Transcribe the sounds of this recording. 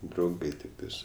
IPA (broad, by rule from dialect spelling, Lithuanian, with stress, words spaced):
drɐʊˈɡɐɪ tʲɪkˈtɐɪs